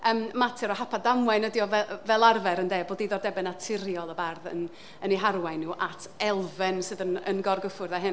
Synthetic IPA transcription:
əːmmatʰɛɾɔhapʰadamwɛnədiɔvɛvɛlˠarvɛɾəndeːboːdiðɔrdɛbɛnatʰɪɾjɔlˠəbarðə̰n | əniɦarwajnuːʔatʰɛlˠvɛnsɨðənə̰nɡɔrɡəfʊrðaɦɨn

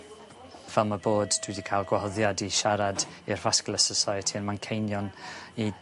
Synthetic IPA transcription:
vɛlˠmaboːdd̥wɪdikʰajlˠɡwahɔðjadiʃaɾadirvasklˠəsəsaɨtʰinmankʰejnjɔni

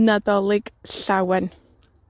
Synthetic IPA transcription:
nadɔlˠɪɡ̥ɬawɛn

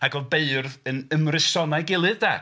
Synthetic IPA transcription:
aɡɔbeɨrðənəmrɪsɔnaɡɪlˠɨðda

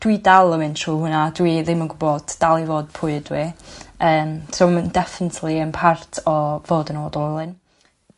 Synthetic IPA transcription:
d̥widalˠəmɨntʰr̥uːɦʊnadwiðɪmənɡʊbɔd̥d̥alˠivoːd̥̚pʰʊɨdwiəːmsoməndɛfɪnɪtʰlˠiənpʰartʰɔvoːdənoːdɔlˠɨn

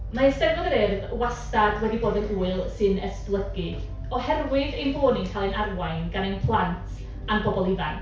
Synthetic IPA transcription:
maɪstɛmnɔðəɾɪrðwastadwɛdiboːdənuːɨlˠsɨnɛsplˠəɡɨ | ɔhɛrwɨðejnvoːninkʰalˠɛnarwajnɡ̥anejnpʰlˠantʰ | anbɔbɔlˠɪva̰n

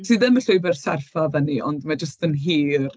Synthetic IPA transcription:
siːðɪməɬojbɛrsɛrfavəniɔ̰ndmad͡ʒəstənɦiːr

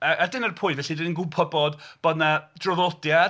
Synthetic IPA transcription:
ʔadɪnərpʰʊjvɛɬidɪnnɡʊpʰəbɔdb̥anad̥rɔðɔlˠdja

